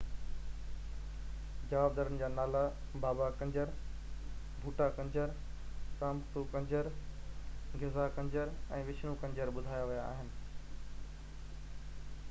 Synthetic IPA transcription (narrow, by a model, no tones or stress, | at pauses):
d͡ʑɐʋaːb̚d̪aːɾənɪ̆d͡ʑaːnaːla | baːbakɐ̃ɲd͡ʑəɾ | bʱuːʈakɐ̃ɲd͡ʑəɾ | saːmt̪ukɐ̃ɲd͡ʑəɾ | ɡʱɪzakɐ̃ɲd͡ʑəɾɛ̃ːʋɪt͡ɕʰnũkɐ̃ɲd͡ʑəɾɓʊd̪ʱaːjaʋɐjaa̰ːɦɪnɪ̆